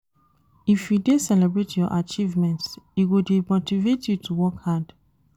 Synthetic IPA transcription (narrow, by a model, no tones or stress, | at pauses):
ifjudesɛlɛbɹetjɔʔat͡ʃivmɛ̃ntsiwudemotivetʰjutʰuwɔkhad